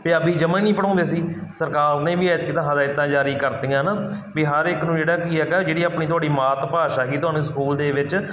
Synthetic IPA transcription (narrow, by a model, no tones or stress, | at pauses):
peːəbiːd͡ʒəmãːnĩːpəɽãːnd̪eːsiːsəɾkaːɾnẽːʋiːaːt̪kiːt̪ãːɦãːd̪aːɪt̪ːãːd͡ʒaːɾiːkəɾt̪iːjãːnaː | biːɦəɾɪknũːd͡ʒeːɽaːkiːɛːkɛːd͡ʒeːɽiːaːpniːt̪̬ʊaːɽiːmaːt̪paːʃaːkiːt̪ʊɦaːnũːsəkuːld̪eːʋɪt͡ʃ